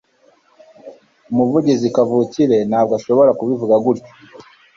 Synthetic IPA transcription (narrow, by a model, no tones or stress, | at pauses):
umuvuɟizikavuciɾe̞naːbɡaʃo̞βo̞ɾakuβivuɡaɡuɾco̥